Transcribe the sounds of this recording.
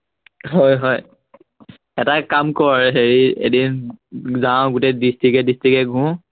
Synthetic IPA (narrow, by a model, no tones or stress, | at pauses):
ɦɔjɦɔj | ɛtakamkɔɹɦeɹiḛdinzãɡutɛdistikɛdistikɛɡʱũ